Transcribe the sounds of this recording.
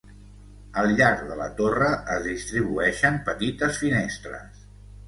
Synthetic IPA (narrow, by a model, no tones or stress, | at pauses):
əlˠʎaɾɡðələ̰t̪orəʔəzðist̪ɾiβuɛʃəmpət̪it̪əsfinest̪ɾə̰s